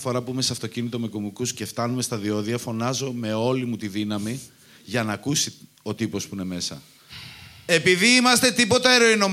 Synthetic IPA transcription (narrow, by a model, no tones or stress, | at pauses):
fo̞ɾɐpuime̞seɐft̪o̞cinit̪o̞me̞komukusce̞ft̪ɐnume̞st̪ɐðio̞ðiɐfo̞nɐzo̞me̞o̞limut̪iðinɐmi | ʝɐnɐkusi | o̞t̪ipo̞spuine̞me̞sɐ̰ | e̞piðiimɐst̪e̞t̪ipo̞t̪ɐe̞ɾo̞ino̞m